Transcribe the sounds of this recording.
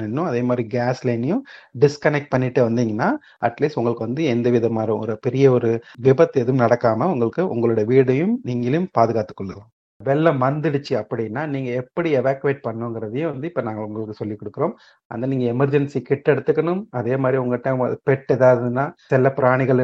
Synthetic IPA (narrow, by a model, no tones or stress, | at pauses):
nɪnːʊ̃ɐðeːmaːd̪ɾiɡaːslɐɪnɪjʊ̃ɖɪskɐnɛk̚ʈ̚pɐɳːɪʈːɯʋɐnd̪iːŋɡɐnːaː | ʔɐ̰ʈliːsʊŋɡɐɭɯkːɯʋɐnd̪ɯɛnd̪ɐʋɪðɐmaːɾɐɔ̰ɾɯpɛɾɪjɐɔɾɯʋɪbɐt̪ːɛðɯmnɐɽɐkːaːmɐʊŋɡɐɭɯkːɯʔʊ̰ŋɡɐɭɯɽɐjɐʋiːɽɐjɯmniːŋɡɐljʊmpaːðɯɣaːt̪ːɯ̥kːɔɭːɯlãː | ʋɛlːɐmɐnd̪ɪɽɯt͡ʃːɯɐpːɐɽɪjnːaːniːŋɡɐɛpːɐɽiɛʋaːkːɯʋeːʈ̚pɐɳːʊ̃ŋɡɪɾɐðɯjʊ̃ʋɐnd̪ɯɪpːoːnaːŋɡɐɭʊŋɡɐɭɯkːɯsɔlːikːɔɽɯkːɯɾoːm | ʔɐ̰nd̪ɐniːŋɡɐɛmɐɾd͡ʒɛnsikɪʈːɛɽɯt̪ːɯkːɐɳɯmɐðeːmaːd̪ɾiʊŋɡɐʈːã̰ːpɛʈːɛðaːʋðɯnːaːsɪlɐpɪɾaːɳɪɣɐɭ